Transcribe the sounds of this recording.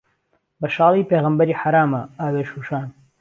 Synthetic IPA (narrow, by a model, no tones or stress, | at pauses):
bɐʃɑːlˠiːpeːɣəmbɐɾiːħaɾaːmɐʔaːweːʃuːʃaːn